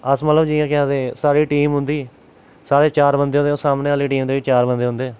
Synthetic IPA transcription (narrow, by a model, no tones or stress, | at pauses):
əsmət̪ləbd͡ʒiːãːkɪãːd̪eːsaːɾiːʈiːmɦʊ̃nd̪iː | saːɾeːt͡ʃaːɾbənd̪eːõnd̪eosaːmneːaːliːʈiːmd̪eːʋiːt͡ʃaːɾbənd̪eːɦʊ̃nd̪eː